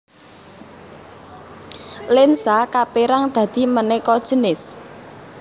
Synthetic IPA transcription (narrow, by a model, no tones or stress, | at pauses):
lɪnsakapeɾaŋd̪̥ä̤d̪̥i̤mənɛkɔd̥ʒ̥ə̤nɪs